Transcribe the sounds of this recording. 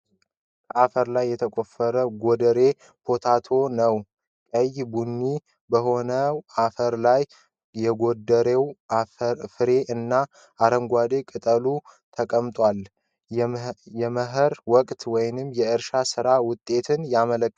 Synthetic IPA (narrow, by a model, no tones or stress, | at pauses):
kəʔafəɾlajːɛt̪ʰəkʼo̞fəɾəɡod̪əɾe̞ | pʰo̞t̪ʰat̪ʰo̞nəw | kʼəjbunːi | bəho̞nəafəɾlaj | jɛɡo̞d̪əɾewafɨɾe̞ʔɨnːa | ʔːɾəmɡʷad̪e̞kʼɨt̪ʼəlut̪ʰəkʼəmt̪ʼwal | jɛməɦɨɾwɔkʼt̪wɔjnɨmːjɛɨɾʃasɨɾawʊt̪ʼːe̞t̪ʰɨnjamələkː